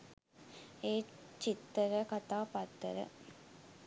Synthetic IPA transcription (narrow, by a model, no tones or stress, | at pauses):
eːt͡ʃit̪ːəɾəkat̪aːpat̪ːəɾə̰